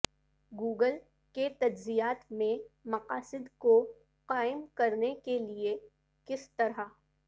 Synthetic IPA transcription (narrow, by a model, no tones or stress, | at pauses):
ɡuːɡəl | ket̪ɐd͡ʒzijaːt̪mẽmɐqaːsɪd̪ko | qaːɪmkɐɾnekelie | kɪst̪ɐɾɦa